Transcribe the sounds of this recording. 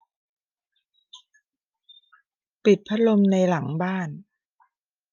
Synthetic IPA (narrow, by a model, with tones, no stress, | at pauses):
pi˨˩t̪̚pʰa˦˥lo˧mna˧jla˩˦ŋbaː˥˩n